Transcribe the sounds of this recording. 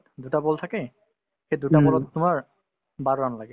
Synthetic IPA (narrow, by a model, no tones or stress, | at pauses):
d̪uʈabɔlt̪ʰake | hed̪uʈabɔlɔt̪t̪umaɾ | baɾoɾanlaɡe